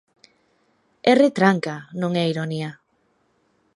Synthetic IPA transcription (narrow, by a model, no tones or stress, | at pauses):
ɛret̪ɾaŋkanõŋɛiɾonia